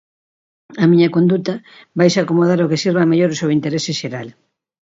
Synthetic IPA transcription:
ɐmiɲɐkond̪ut̪ɐ | bajsakomoð̞aɾokesiɾβameʎoɾsoint̪eɾesɪʃeɾal

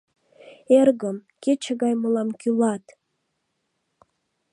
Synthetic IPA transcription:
erɣəm | ket͡ɕəɣɑjməlɑmkylɑt̪

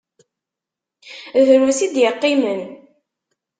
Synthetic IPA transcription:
ðəɾusid̪jəqːimən

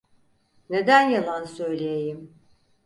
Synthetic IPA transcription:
ned̪ænjalˠansøjlʲejejim

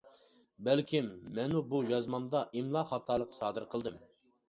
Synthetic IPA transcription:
bɛlkʲʰimːɛnubujɑzmɑmd̪ɑʔimlˠɑχɑt̪ʰɑːlˠəqʰːsɑːd̪ɨɾqʰəlˠd̪ɨm

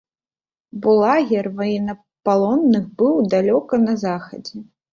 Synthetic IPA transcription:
bulˠaɣʲɛrvajɛnɐ | palˠɔnːɨxbɨwd̪alʲɔkɐnɐzaxɐd͡zʲɛ

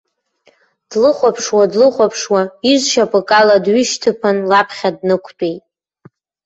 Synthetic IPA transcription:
d̥lɨχʷapʰʂwadlɨχʷapʰʂwaiʒʷʃapʼɨkʼaladɥʏʃtʰɨpʰanlapʰχʲadnɨkʷʰt͡pʼejtʼ

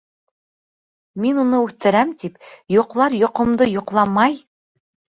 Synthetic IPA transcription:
minunɤʉθt̪ɘ̆ɾæmt̪ipjŏqlˠɑɾjŏqŏmd̪ɤjŏqlˠɑmɑj

